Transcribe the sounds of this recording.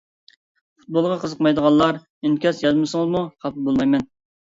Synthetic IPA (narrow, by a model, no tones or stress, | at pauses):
fut̪̚bolˠʁɑqʰəzəqmɑjd̪əʁɑlˠːɑɾ | emkʲɑsjɑzmɨsəŋəzmuqʰɑpɨbolˠmɑjmɛn